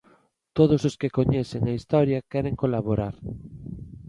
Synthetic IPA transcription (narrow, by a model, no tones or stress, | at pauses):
t̪oðososkekoɲɛθeŋɐist̪ɔɾjɐkɛɾeŋkolaβoɾaɾ